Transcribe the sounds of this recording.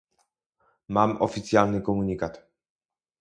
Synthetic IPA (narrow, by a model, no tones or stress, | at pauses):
mamɔ̰fʲit̪sjalnɘkɔmuɲʲikat̪